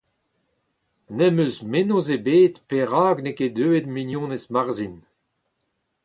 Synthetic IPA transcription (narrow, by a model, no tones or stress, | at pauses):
nɛmøzmenozebeːt̪peʁaːɡneked̪øːed̪minjɔ̃ːnesmaʁzin